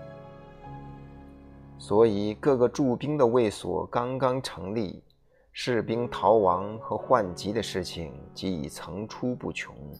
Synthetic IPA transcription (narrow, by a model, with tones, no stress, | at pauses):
swɔ˧˥i˨˩kɤ˥˩ɡə˩ʈ͡ʂu˥˩pi˥ŋd̪ə˨we˥˩ɪswɔ̰˨˩kɑ˥ŋkɑ˥ŋʈ͡ʂʰɤ˧˥ŋli˥˧ | ʂɻ̩˥˩pi˥ŋt̪ʰɑ˧˥ʊwɑ˧˥ŋxɤ˧˥xwa˥˩nt͡ɕi˧˥d̪ə˧ʂɻ̩˥˩t͡ɕʰi˨˩ŋt͡ɕi˧˥ḭ˨˩t͡sʰɤ˧˥ŋʈ͡ʂʰu˥pu˥˩t͡ɕʰjʊ̰˧˥ŋ